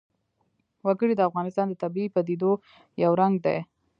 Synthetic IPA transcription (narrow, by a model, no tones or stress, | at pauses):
wəɡəɽid̪əafɣɑnɪst̪ɑnd̪ət̪abiipad̪id̪o | jawɾaŋɡd̪a̰j